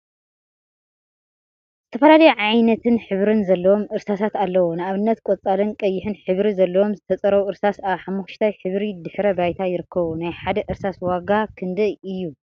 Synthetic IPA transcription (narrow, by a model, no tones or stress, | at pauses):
z̥ɨt̪ʰɐfɐlalɐjuʕajnɐt̪ʰɨnħɨβɾɨnzɐlːɐwo̞mɨɾsasat̪alːɐwonɨaβɨnːɐt̪kʷʼot͡sʼalɨnkʼɐjːɪħɨnħɨβɾizɐlːɐwo̞mzɨt̪ʰɐt͡sʼɐɾɐwuʔɨɾsasaβħamːuʃt̪ʰajħɨβɾid̪ɨħɾɐbajt̪ʰajɪɾɨkʰːɐβunajħad̪ɐʔɨɾsaswaɡakʰɨnd̪ɐjɨjːu